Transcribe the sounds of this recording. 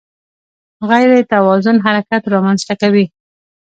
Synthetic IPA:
ɣajɾet̪awɑzʊnɦaɾakat̪ɾɑmanzt̪akawi

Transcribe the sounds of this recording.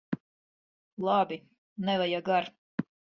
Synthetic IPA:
lˠabi | nɛvajaɡaɾ

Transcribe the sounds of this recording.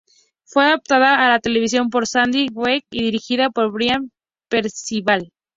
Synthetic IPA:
fwe̞aðap̚t̪aðaːlat̪e̞le̞β̞is̬jo̞mp̬o̞ɾsand̪iwwekiðiɾixiðapoɾβɾjam | pe̞ɾsiβal

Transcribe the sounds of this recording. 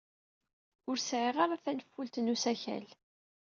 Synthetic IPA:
ʊɾsʕiʁaɾaθænəfːult̪nusæçæ̰l

